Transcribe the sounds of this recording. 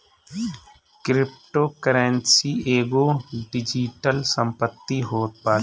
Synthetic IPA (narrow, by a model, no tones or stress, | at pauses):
kɾɪpʈoːkəɾənsieːɡoːɖɪd͡ʒiʈəlsə̃mpət̪ːiɦoːt̪̚paː